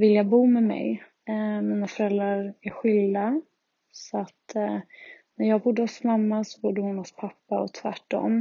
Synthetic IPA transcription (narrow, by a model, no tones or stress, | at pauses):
vɪljabuːmɛmɛ̰j | miːnafœɾɛlɾaɾæɾɧʏld̪a | sɔat̪ | næɾjɑːɡbʊɖ̪ːəɔsmamːasɔ̥bʊɖːəhʊnhɔspʰapːaɔt̪ʰvæ̰ʈːɔ̰mː